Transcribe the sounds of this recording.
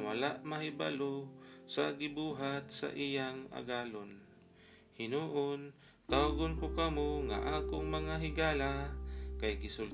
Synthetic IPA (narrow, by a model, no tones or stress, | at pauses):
walaʔmaɦɪba̰losaɡɪbuːɦat̪̚sa̰ʔijaŋa̰ɡaːlon | hɪnuːʔʊn | t̪awɡʊnkʊkɐmoŋa̰ʔaːkʊŋmɐŋaɦɪɡaːlakajkɪsʊl